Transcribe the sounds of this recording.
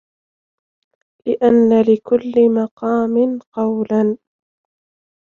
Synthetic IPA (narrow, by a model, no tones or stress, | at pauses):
lɪʔanːalɪkʊlːɪmɑqɑːmɪnqɑwlan